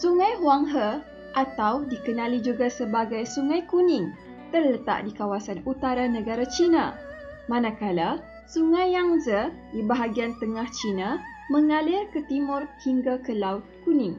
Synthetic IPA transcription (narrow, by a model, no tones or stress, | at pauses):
suŋãjɦwaŋɦə | ʔat̪awdikənãlid͡ʒuɡasəbaɡajsuŋãjkunɪ̃ŋ | t̪ərlət̪a̰ʔdikawasanut̪aɾanə̃ɡaɾat͡ʃina̰ | mãnãkala | suŋãjaŋzədibaɦaɡiant̪əŋaht͡ʃina | mə̃ŋalɪrkət̪imʊrhiŋɡakəlaʊt̪̚kunɪ̃ŋ